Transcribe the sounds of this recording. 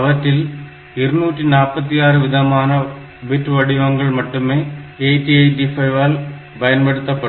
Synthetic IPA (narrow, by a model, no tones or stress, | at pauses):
ɐʋɐʈrːɪl | ɪɾɯnuːʈrinaːɾpːɐt̪ːijaːrɯʋɪðɐmaːnɐ | bɪʈːʋɐɽɪʋɐŋɡɐɭmɐʈːɯmeːejʈiɐɪɖifɐɪʋaːl | bɐjɐnpɐɽɯt̪ːɐpːɐɽ